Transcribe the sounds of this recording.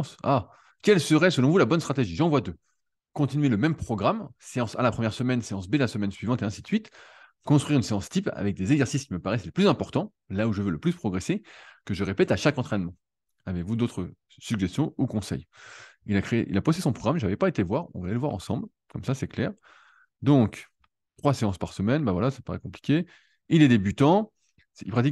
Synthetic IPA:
sa | kʲɛlsəʁɛsəlɔ̃vulabɔnst̪χat̪eʒiʒɑ̃vwad̪ø | kɔ̃t̪inɥeləmɛmpχɔɡʁamseɑ̃sa̰lapχəmjɛʁsəmɛnseɑ̃s̬belasəmɛnsɥivɑ̃t̪eɛ̃si̥sɥit̪ | kɔ̃st̪χɥiʁynseɑ̃st̪ipa̰vɛk̚d̪ezeɡzɛʁsiskʲiməpaʁɛsleplyzɛ̃pɔʁt̪ɑ̃ | lauʒəvøləplyspχɔɡʁesekəʒəʁepɛt̪aʃakɑ̃t̪χɛnmɑ̃ | avevud̪ot̪χə | syɡʒɛst̪jɔ̃ukɔ̃sɛ̰jilakχeḛʔḭlapost̪esɔ̃pχɔɡʁamʒavɛpaet̪eləvwaʁɔ̰̃vɛləvwa̰ʁɑ̰̃sɑ̃bl | kɔmsasɛklɛ̰ːʁ | d̪ɔ̃k | t̪χwaseɑ̃spaʁsəmɛnbavwalasḁpaʁɛ̰kɔ̃pli̥kʲe | ilɛd̪ebyt̪ɑ̃ | ilpχat̪ik

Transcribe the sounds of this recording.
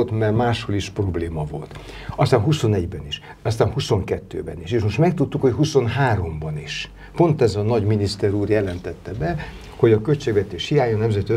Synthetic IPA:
ot̪mɛrmaːʃho̞liʃpro̞bleːmɒvo̞̰lt̪ | ɒst̪aːnɦuso̞nɛɟbɛniʃ | ɒst̪aːnhuso̞ŋkɛt̪ːø̰ːbɛniʃeːʃmo̞ʃt̪mɛkt̪ut̪ːukhocɦuso̞nɦaːɾo̞mbɒniʃ | po̞nt̪ɛzɒnɒɟminist̪ɛɾuːrjɛlɛnt̪ɛt̪ːɛbɛ | ho̞ɟɒkølt͡ʃeːɡʋɛt̪eːʃhijaːɲonɛmzɛt̪iø

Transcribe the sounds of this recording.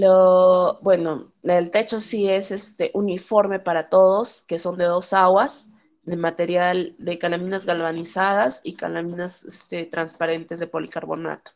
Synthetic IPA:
lobwe̞no̞ | elt̪e̞t͡ʃo̞sie̞se̞st̪eʔunifo̞ɾme̞paɾat̪o̞ðo̞ske̞so̞nd̪e̞ðo̞saɣwaz | ðemat̪e̞ɾjald̪e̞kalamĩnazɣalβanisað̞asika̰lamĩnasest̪et̪ɾanspaɾe̞nt̪e̞zðe̞po̞likaɾβo̞̰na̰t̪o̥

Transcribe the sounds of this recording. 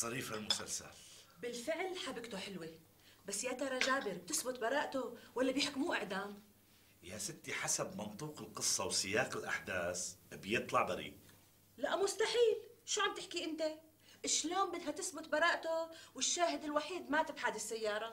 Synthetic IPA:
sˤɑɾiːfalmʊsalsa̰lbɪlfɪʕlħabɪɡt̪oħɪlwi | basːjat̪ɑɾˤɑʒaːbɪɾb̚t̪ɪsbʊt̪bɑɾˤɑːʔt̪owalːabjɪħkmuːʔɪʕd̪aːm | jasɪt̪ːiħasabmɑnt̪ˤuːqɪlqɨsˤːɑwsɪjaːqɪlʔa̰ħd̪aːsbjɨt̪ˤlɑʕd̪ɑɾḭːʔ | laʔmʊst̪aħiːlʃuːʕamb̚t̪ɪħkiʔɪnt̪e | ʔɪʃloːmbɪd̪ɦat̪ɪsbʊt̪bɑɾˤɑːʔt̪owɪʃːaːɦɪd̪ɪlwaħiːd̪mat̪ɪbħad̪ɪsːajːɑːɾˤɑ

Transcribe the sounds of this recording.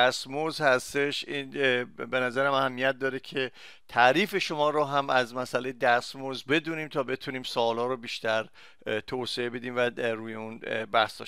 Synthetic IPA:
æsmozhæst̪e̞ʃinbe̞næzæɾæmæhæmːijæt̪̚d̪ɒːɾecʰe̞ | t̪ʰæɾiːfe̞ʃo̞mɒːɾoɦæmæzmæsælejed̪æsmozbe̞d̪uːniːmt̪ʰɒːbe̞t̪ʰuːniːmsɒːlɒːɾobiːʃt̪æɾ | t̪ʰoseebe̞d̪iːmvæɾuːjeunbæhsd̪ɒ̰ːʃ

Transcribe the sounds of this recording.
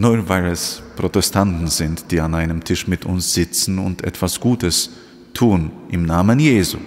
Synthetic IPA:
nɔvaɪlɛspʁ̥otɛstʰantn̩zɪntd̥iːanaɪnəmtʰɪʃmɪtʰʊnsz̥ɪt͡sn̩ʊ̰ntʔɛ̰tv̥asɡ̥uːtəs | tʰuːnʔɪmnaːmənjeːzṵː

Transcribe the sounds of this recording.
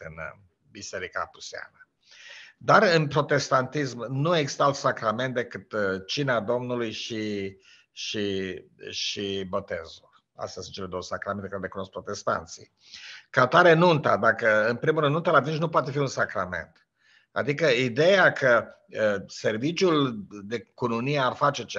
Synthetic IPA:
ɨn | bise̞ɾika̰pu̥sia̰nə | d̪aɾɨnpɾo̞t̪e̞st̪ant̪ismnueɡst̪alt̪sakɾame̞nt̪̚d̪e̞kɨt̪t͡ʃinad̪o̞mnulujʃi | ʃi | ʃibo̞t̪ḛzṵr | a̰st̪easɨn̚t͡ʃele̞d̪o̞wəsakɾame̞nt̪ekaɾelekuno̞skpɾo̞t̪est̪a̰nt̪sḭ | kat̪aɾenunt̪a̰d̪akəɨnpɾimuɾɨnunt̪alat̪int͡ʃnupoat̪e̞fiunsakɾa̰me̞̰nt̪ | a̰d̪ikəid̪e̞jakʰə | se̞rvit͡ʃjuld̪e̞kununijearfat͡ʃe̞t͡ʃ

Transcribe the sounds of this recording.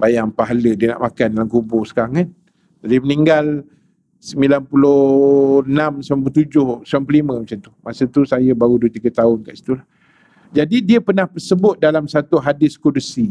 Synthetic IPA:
bajaŋpaɦalədiəna̰ʔmakandalamkubʊsə̥kaɾaŋan | d͡ʒadiməniŋɡal | səmilanpulʊ | namsamp̬lt̪ud͡ʒʊhsampəlimə̃mat͡ʃant̪umasət̪usajəbaɾuduət̪iɡət̪aʊnkaʔsi̥t̪ulah | d͡ʒadidiəpənahpəsəbʊt̪̚dalamsat̪uɦadɪskodusi

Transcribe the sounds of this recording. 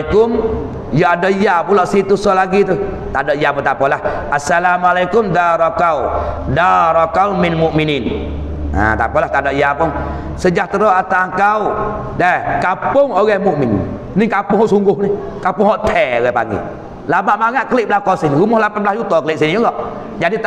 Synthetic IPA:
kʊm | jɔadɔijapulɔʔsit̪usɔlaɡit̪u | t̪adɔʔiaput̪apɔlah | asalamalajkʊmd̪aɾɔkawdaɾɔkawmɪnmʊʔminin | a̰t̪a̰pɔlaht̪adɔʔijapʊŋ | səd͡ʒaht̪əɾɔʔat̪aŋkau | dakapʊŋoɣɛmʊʔmɪn̰ | nɪŋkapʊŋɦɔʔsuŋɡʊhnɪhkapʊŋɦɔʔt̪ʰɛoɣɛpa̰ɡḭ | labaʔmaŋaʔ̪̚kəlɪʔbəlahkɔsinɾumɔhlapan̚blahjut̪ɔkəlɪʔsinjulɔʔ | d͡ʒadi

